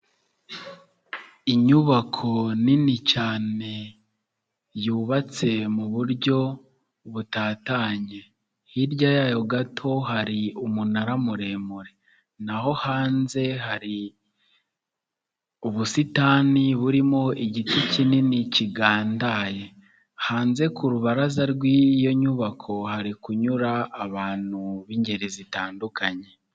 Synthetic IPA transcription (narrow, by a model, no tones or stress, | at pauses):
iɲuβakʰo̞ninit͡ʃaːne̞ | juːβat͡se̞muβuɾɟo̞ | βutaːtaːɲe̞ | hiɾɟajajo̞ɡatʰo̞haɾiumunaɾamuɾe̞ːmuɾe̞ | naho̞haːnze̞haɾi | uβusitaːniβuɾimo̞iɟitucininiciɡaːndaje̞ | haːnze̞kʰuɾuβaɾazaɾɡwijo̞ɲuβakʰo̞haɾikuɲuɾaːβaːn̥huβiːɲɟe̞ɾizitaːndukaɲe̞